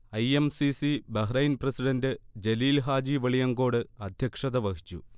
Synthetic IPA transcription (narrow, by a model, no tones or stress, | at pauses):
ɐjemsisibɐɦrɐjnprɐsiɖɐndɨd͡ʑeliːlɦaːd͡ʑiʋɐɭijɐŋɡo̞ːɽɨɐd̪ʱjɐkʂɐðɐʋɐɦi̥t͡ɕːṵ